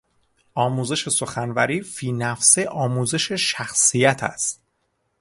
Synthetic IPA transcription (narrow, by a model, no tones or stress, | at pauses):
ɒːmuːze̞ʃe̞so̞xænvæɾiːfiːnæfseʔɒːmuːze̞ʃe̞ʃæxsijæt̪ʰæ̰st̪